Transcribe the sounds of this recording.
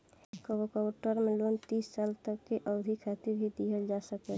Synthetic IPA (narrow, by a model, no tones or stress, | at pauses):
kəwokɔwʈəɾmẽlont̪iːsːalt̪əkːeʔəʊd̪ʱikʰat̪iɾbʱid̪iɦəld͡ʒasəkɛ